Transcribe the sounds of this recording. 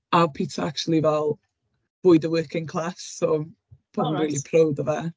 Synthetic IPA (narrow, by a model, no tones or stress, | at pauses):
apʰitʰaak̚t͡ʃulˠivɛlˠ | v̥ʊːɨdəwɜːˑkʰɪ̃ŋkʰl̥ˠasːo | b̥oːdnriːlˠipʰrowdəvɛ